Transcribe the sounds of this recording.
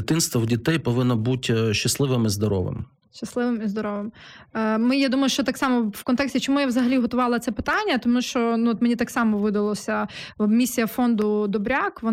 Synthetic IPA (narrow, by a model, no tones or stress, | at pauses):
ɪt̪ɪnst̪ʋɐwdʲit̪ɛjpɔʋɪnːɐbutʲʃt͡ʃɐslˠɪʋɪmizd̪ɔɾɔ̰ʋɪ̰m | ʃt͡ʃɐslˠɪʋɪmizd̪ɔɾɔʋɪmː | mɪjad̪umɐjʊʃt͡ʃɔt̪ɑksɑmɔwkɔnt̪ɛksʲtʲit͡ʃɔmujaʋzɐɦɐlʲiɦɔt̪ʊʋɑlˠɐt̪sɛpɪt̪ɑnʲːɐt̪ɔmuʃt͡ʃɔnuɔt̪menʲit̪ɑksɑmɔʋɪd̪ɐlˠɔsʲɐmʲisʲijɐfɔnd̪ʊd̪ɔbɾʲakʋɔ